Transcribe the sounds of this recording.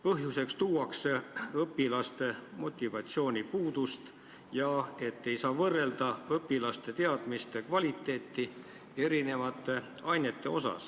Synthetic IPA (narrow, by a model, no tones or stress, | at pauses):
pɤɦjuse̞kst̪uːwɑksɤpːilɑst̪e̞mo̞t̪ʲːivɑt̪sio̞ːnʲipuːd̪̥ust̪ | jɑe̞t̪ːe̞jsɑːvɤrːe̞ld̪̥ɑɤpːˑilɑst̪e̞t̪e̞ɑd̪̥mist̪ekvɑlʲit̪ːˑe̞ːt̪ːi | e̞ɾine̞vɑt̪ːˑe | ɑjne̞t̪ːˑe̞o̞sɑ̰s